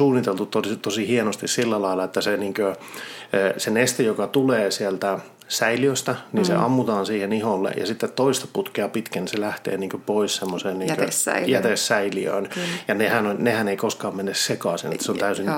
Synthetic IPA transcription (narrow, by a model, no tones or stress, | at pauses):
uːnːit̪elt̪ut̪ot̪osihienost̪issilːælɑilːˑɑet̪ːæseniːŋkøː | senest̪ijokɑt̪uleːsielt̪æ | sæiliøst̪æninsḛɑ̰mːut̪ɑːnsiːheniholːḛjɑ̰sit̪ːet̪toist̪ɑ̥put̪keɑpit̪kæniselæht̪ḛːniːŋkøpoissemːoseːnniːŋːkøjæt̪esːæiliø̰ːnjɑnehænonʲnehæneikoskɑːmmenːessekɑˑsinḛt̪ːæ̥seont̪æysin